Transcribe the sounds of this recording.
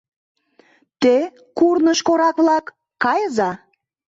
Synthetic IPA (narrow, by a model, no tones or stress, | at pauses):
t̪e | kurnəʃkoɾɑkβlɑkː | ɑjəzɑ